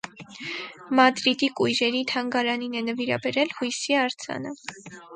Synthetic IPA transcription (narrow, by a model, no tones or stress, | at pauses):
mɑd̪ɾid̪ikujɾɛɾit̪ʰɑŋɡɑɾɑninɛnəviɾɑ̰bɛɾɛlhujsiɑɾt͡sʰɑ̰nə